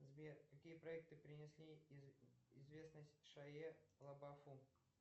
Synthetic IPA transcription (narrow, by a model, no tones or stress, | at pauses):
zbʲerkɐkʲijəpɾɐɛk̚t̪ɨpɾʲɪnʲɪsʲlʲi | ɪzvʲesnəsʲtʲʂɐelˠɐbɐfu